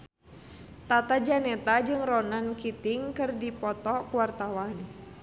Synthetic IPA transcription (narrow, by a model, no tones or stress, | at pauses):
t̪at̪ad͡ʒanɛt̪ad͡ʒɨŋrɔnankit̪iŋkɨrdipɔt̪ɔkuwart̪awan